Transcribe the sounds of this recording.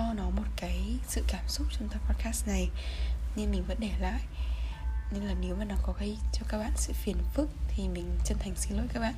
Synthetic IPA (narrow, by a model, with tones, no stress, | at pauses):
ɔ˧nɔ˨˦mo˨˩t̚kaː˨˦jsɨ̰˧˨kaː˧˩msʊ˦˥k͡p̚t͡ɕʊ˧ŋ͡mt̪aː˨˩pɔ˦˥t̚kaː˦˥s̚na˨˩jɲɨ˧nmï˨˩ŋ̟və̰˧˥nɗɛ˧˩la̰ː˧˨j | ɲɨ˧ŋlaː˨˩ne˨˦wmaː˨˩ɗaː˨˩ŋkɔ˨˦ki˧t͡ɕɔ˧kaː˦˥k̚ɓa̰ː˧˨nsɨ̰˧˨fi˨˦ənfɨ˦˥k̚t̪ʰi˨˩mï˨˩ŋ̟t͡ɕə˧nt̪ʰa˨˩jŋ̟si˨˦lo̰˧˨jkaː˦˥kɓa̰ː˧˨